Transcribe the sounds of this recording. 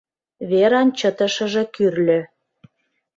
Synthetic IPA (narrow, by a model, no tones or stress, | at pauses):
βeɾɑnt͡ɕət̪ə̆ʃə̆ʒĕkyrlʲø̆